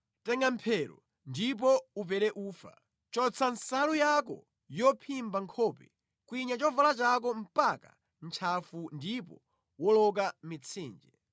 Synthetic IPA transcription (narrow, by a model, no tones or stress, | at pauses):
tɛŋɡampʰɛɾɔ̰ | ndip̬ɔup̬ɛɾɛʔuːfa̰ | t͡ʃɔt͡sʰansalujakɔ̰ | jɔpʰimbaŋkʰɔːpɛ̰ | kwiɲat͡ʃɔvalat͡ʃak̬ɔm̩paka̰ | n̩t͡ʃʰafundipɔ | wɔlɔk̬amit͡sʰiːnd͡ʒɛ